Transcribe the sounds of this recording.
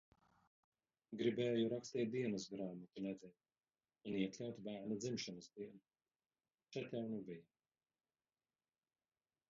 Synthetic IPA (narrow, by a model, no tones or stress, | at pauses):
ɡɾibɛːjuɾakst̪iːt̪̚d̪iɛnɨsɡɾaːmat̪unɛd̪ʲɛnʲ | uniɛklʲawt̪bæːɾnad̪zimʃɔnɨsd̪iɛnu | t͡ʃɛt̪ʲawnubija